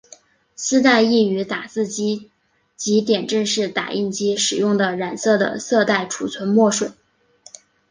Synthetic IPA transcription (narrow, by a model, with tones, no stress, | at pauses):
sɹ̩˥t̪a˥˧ɪi˥˩y˧˥t̪a˨˩t͡sɹ̩˥˩t͡ɕi˥ | t͡ɕi˧˥t̪jɛ˨˩nʈ͡ʂə˥˧ŋʂɻ̩˥˩t̪a̰˨˩ʔi˥˩nt͡ɕi˥ʂɻ̩˨˩jʊ˥˩ŋd̪ə˩ɻa˨˩nsɤ˥˩d̪ə̰˩sɤ˥˧t̪a˥˩ɪʈ͡ʂʰu˨˩t͡sʰwə˧˥nmwɔ˥˩ʂwə˨˩˦